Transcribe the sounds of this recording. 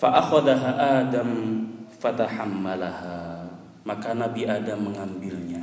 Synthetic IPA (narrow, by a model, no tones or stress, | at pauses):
faʔaxaðaɦaʔaːdamfat̪aħamːalaha | makanabiʔaːdamːəŋambɪlɲa